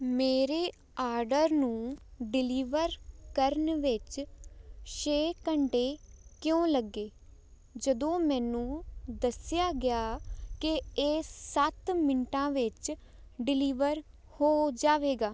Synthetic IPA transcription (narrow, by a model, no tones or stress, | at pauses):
meːɾeː | aːɾɖəɾnũːɖɪliːʋəɾkəɾnʋɪt͡ʃ | ʃeːkəɳɖeːkɪjõːləɡːeː | d͡ʒəd̪õːmɛ̃ːnũːd̪əsɪjaːɡɪjaːkɪeːsət̪mɪɳʈãːʋɪt͡ʃ | ɖɪliːʋəɾ | hoːd͡ʒaːʋeːɡaː